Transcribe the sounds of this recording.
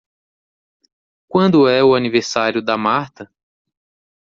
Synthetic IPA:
kwɐ̃nd̪ʊɛʊaniveɾsaɾjʊd̪ɐmaɾt̪ɐ

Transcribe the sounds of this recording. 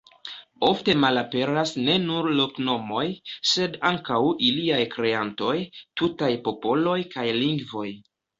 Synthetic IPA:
o̞fte̞malape̞ɾasne̞nuɾlo̞kno̞mo̞jse̞daŋkawiliajkɾe̞anto̞jtutajpo̞po̞lo̞jkajliŋɡvo̞j

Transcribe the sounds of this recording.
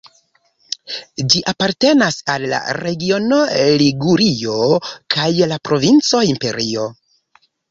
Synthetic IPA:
d͡ʒiʔapaɾte̞nasalːa̰ɾe̞ɡio̞noliɡuɾio̞kʰajlapɾo̞vint͡so̞impe̞ɾio̞

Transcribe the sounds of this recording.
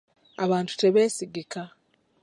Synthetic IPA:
aβaːntu̥te̞βe̞ːsiɡika

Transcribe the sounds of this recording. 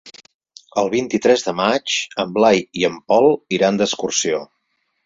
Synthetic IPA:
əlˠβ̞int̪it̪ɾɛzðəmat͡ʃəmblajiəmpɔlˠiɾand̪əskursio

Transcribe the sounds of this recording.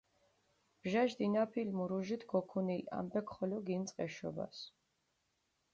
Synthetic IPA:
b̥ʒaʒd̪inapʰilmuɾuʒit̪ʰɡɔkʰunila̰mbɛkʰχɔlɔɡint̪sʼqʼɛʃɔ̰ba̰s

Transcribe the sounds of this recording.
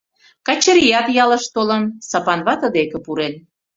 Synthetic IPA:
kɑt͡ɕəɾijɑt̪jɑlə̆ʃt̪olə̆nsɑpɑnβɑt̪əd̪ekĕpuɾen

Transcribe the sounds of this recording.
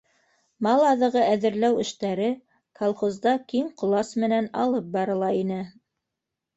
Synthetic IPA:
mɑlˠɑðɤ̆ʁɤæðɘ̆ɾlæwɘ̆ʃt̪æɾɘ | kolˠχŏzd̪ɑkimqŏlˠɑsmɘ̆nænɑlˠɤp̚bɑɾɤ̆lˠɑinɘ

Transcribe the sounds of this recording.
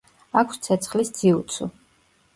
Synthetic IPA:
akʷʰst̪sʰɛt̪sʰχlisd̪z̥iut̪sʰṵ

